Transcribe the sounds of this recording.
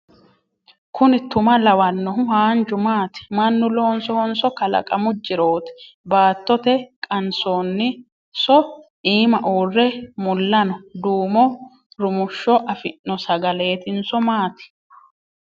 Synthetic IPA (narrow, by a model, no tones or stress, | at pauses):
kʰʊnɪt̪ʊmɐlɐwɐnːɔɦʊɦaːnd͡ʒʊmaːt̪ɪ̥mɐnːʊloːnsɔhɔnsɔkɐlɐ̰kʼɐmʊd͡ʒːɪɾoːt̪ɛ̥ | baːt̪ːɔt̪ɛkʼɐnsoːnːɪ | sɔʔiːmɐʔuːrːɛmʊlːɐnɔd̪uːmɔ | ɾʊmʊʃːɔʔɐfɪnːɔsɐɡɐle̞ːt̪ɪnsɔmaːt̪ɪ̥